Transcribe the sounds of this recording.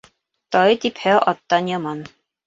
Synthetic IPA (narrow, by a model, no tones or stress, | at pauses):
t̪ɒjt̪iphæʔɒt̪ːɑnjɒmɑn